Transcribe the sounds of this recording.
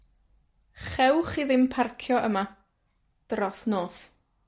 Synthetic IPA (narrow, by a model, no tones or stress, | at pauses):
χɛwχiðɪmpʰarkʰjɔʔəma | d̥rɔsnoːs